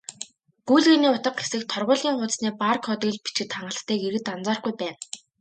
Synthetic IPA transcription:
ɡ̥ujɮɣeːniːʊt̪ə̆qxe̥sɘ̆k̚t̪ʰɔrʁʊːɮiːŋχʊːt͡s̪sniːparkʰɔt̪iːɮpi̥t͡ɕɡɘ̆t̪χaɴɢə̆ɬt̪ʰːeːɡeɾɘ̆t̪ant͡saːrɡujpæːn

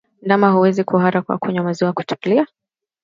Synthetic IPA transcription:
namahuwɛzikuɦaɾakwa̰kuɲamaziwaku̥tɛ̥kulia

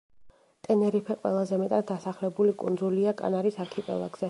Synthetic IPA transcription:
t̪ʼɛnɛɾipʰɛqʼwɛ̰lˠazɛmɛt̪ʼad̪̚d̪asaχlɛbulikʼṵnd̪zuliakʼa̰naɾisaɾkʰipʼɛ̰lˠa̰ɡz̥ɛ

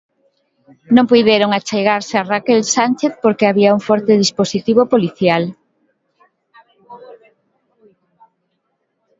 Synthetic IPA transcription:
nõŋpujðeɾoŋat͡ʃejɣaɾsearakelsant͡ʃeθpoɾkeaβiauŋfɔɾt̪eðisposit̪iβopoliθjal

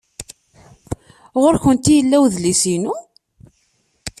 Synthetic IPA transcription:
ʁoɾçənt̪ijəlːæwðlisinu

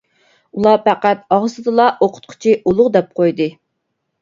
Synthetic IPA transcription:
ulˠɑpæqæt̪̚ɑʁsɨd̪ɨlˠɑʔoqʰʊ̥t̪̚qʰʊ̥t͡ʃʰiʔulˠʊʁd̪ɛp̚qʰojd̪ɨ

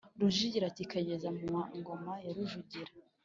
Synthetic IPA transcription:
ɾuʒiɟiɾatikaɟezamumaŋɡomajaɾuʒuɟiɾa

